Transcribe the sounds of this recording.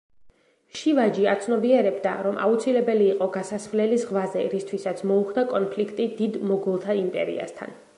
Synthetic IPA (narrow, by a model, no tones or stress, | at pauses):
ʃivad͡ʒiat̪sʰnɔbiɛɾɛbd̪aɾɔmʔa̰ut̪sʰilɛbɛliːqʼɔɡasasvlɛlizʁvazɛɾist̪ʰwisat̪sʰmɔuχd̪akʼɔnpʰlikʰt̪ʼid̪id̪mɔɡulˠt̪ʰaimpʼɛ̰ɾḭa̰st̪ʰa̰n